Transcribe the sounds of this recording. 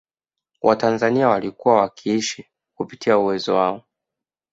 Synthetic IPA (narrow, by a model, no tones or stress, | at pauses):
wʔatanzaniawalikuwawakʰiiʃi | kupitʰiauwɛzɔwaɔ